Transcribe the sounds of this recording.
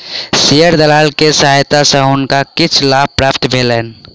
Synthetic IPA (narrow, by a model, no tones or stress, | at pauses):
sijəɾd̪əlaːlkesəɦajt̪asəɦʊnkakɪt͡ʃʰlaːb̚pɾaːpʰt̪bʱeːlɛːn